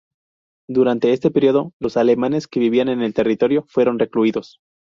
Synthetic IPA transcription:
d̪uɾant̪e̞est̪e̞peɾjo̞ðo̞lo̞sale̞mane̞ske̞βiβ̞iane̞ne̞lt̪e̞rit̪o̞ɾjo̞fwe̞ɾo̞nrekluiðo̞s

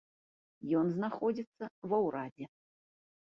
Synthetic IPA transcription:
jɔnznaxɔd͡zʲit̪sːɐvɐwɾad͡zʲɛ

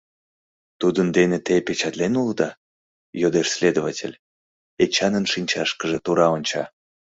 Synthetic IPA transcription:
t̪ud̪ənd̪enet̪epet͡ɕɑt̪lenuld̪ɑ | jod̪eʃsʲlʲed̪ovatʲḛlʲ | et͡ɕɑnənʃinʲt͡ɕɑʃkəʒĕt̪uɾɑonʲt͡ɕɑ

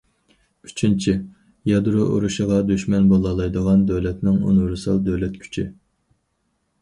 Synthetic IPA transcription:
y̥t͡ʃʰint͡ʃʰi | jɑd̪ɾuʔṵɾuʃəʁɑd̪yʃmɛnbolˠɑlˠɑjd̪əʁɑnd̪øwlɛt̪nɪŋṵnɾsɑlˠd̪øwlɛt̪̚kʲʰy̥t͡ʃʰi

